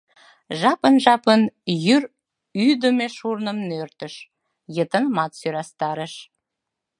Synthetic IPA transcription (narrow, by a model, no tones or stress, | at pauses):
ʒɑpənʒɑpənjyr | yd̪əmeʃurnəmnørt̪əʃ | jət̪ənəmɑt̪syɾɑst̪ɑɾəʃ